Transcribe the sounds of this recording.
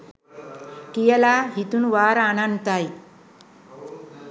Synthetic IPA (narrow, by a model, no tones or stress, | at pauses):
kijəlaɦit̪unʋaɾananut̪aj